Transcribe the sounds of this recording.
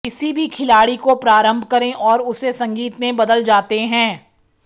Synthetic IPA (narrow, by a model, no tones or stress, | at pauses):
ɪsibʱikʰɪlaːɽikopɾaːɾə̃mbʱkɐɾẽʔɔːɾʊsesɐ̃ŋɡiːt̪mẽbɐd̪əld͡ʒaːt̪eɦɛ̃ː